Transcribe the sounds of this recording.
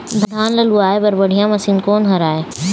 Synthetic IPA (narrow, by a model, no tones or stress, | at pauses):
d̪ʱd̪ʱaːnlɐluaːebɐɾbəɽ̤ijãmɐsiːnkoːnɦɐɾaːeː